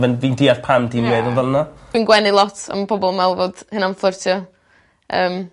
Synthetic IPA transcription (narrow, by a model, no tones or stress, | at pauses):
vɛnviːndʰiarpʰamtʰinmeːðɔvəlˠnḁwinɡwɛnɪlˠɔtʰa̰mpʰɔbɔlˠmɛlˠvɔd̥hɨnanflˠʊrtʰjɔ | ə̰ːm